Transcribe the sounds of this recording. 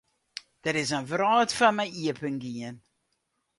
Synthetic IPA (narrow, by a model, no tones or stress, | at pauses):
d̥ətɪs̬ənvrɑːtfɐnməjiəpəŋɡiən